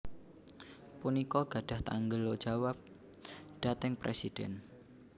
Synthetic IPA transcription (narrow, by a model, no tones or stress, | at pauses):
punikɔɡ̥a̤ɖ̥a̤ht̪a̰ŋɡəlod̥ʒ̥awap̚ | d̥at̪ɪŋpɾḛsid̥ɛ̰n